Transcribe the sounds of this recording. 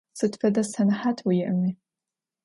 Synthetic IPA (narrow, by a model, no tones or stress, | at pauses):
sɨtfɐdɐsɐnħatʰwijɪʔmi